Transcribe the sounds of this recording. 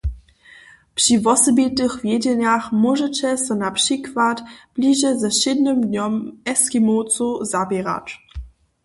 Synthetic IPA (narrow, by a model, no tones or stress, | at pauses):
pʂivɔsɔbit̪ɨxvjed͡ʑɛɲaxmɔʒɛt͡ɕɛsɛnapʂikvatb̥liʒɛzɛɕɪd̪nɘmd̪ɲɔmɛskimott͡suzabɛɾa̰t